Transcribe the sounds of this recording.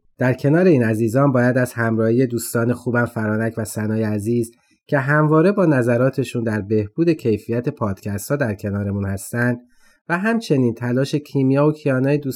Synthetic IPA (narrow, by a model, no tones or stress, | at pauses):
d̪̥æɾcʰe̞nɒːɾe̞iːnæziːzɒːnbɒːjæd̪æz̥hæmɾɒːhiːje̞d̪uːst̪ɒːne̞xuːbæmfæɾɒːnæcʰvæsænɒːjeæziːz | cʰe̞ɦæmvɒːɾe̞bɒːnæzæɾɒːt̪ʰe̞ʃuːnd̪æɾbe̞hb̥uːd̪e̞cʰe̞jfijæt̪ʰe̞pʰɒːd̪̥cʰæst̪hɒːd̪æɾcʰe̞nɒːɾe̞muːnhæst̪ænd̪̥̚ | væɦæmt͡ʃʰe̞niːnt̪ʰælɒːʃe̞cʰiːmijɒːocʰijɒːnɒːjed̪uːs